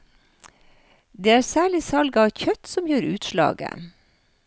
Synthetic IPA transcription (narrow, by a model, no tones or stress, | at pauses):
d̪eːæːɾsæːɭɪsɑlɡɑɑçœt̪sɔmjøːɾʉːt̪ʃlɑ̰ːɡə̰